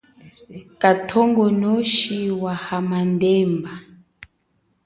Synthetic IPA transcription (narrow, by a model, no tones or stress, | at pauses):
katʰɔŋɡɔnɔʃiwahamandɛmba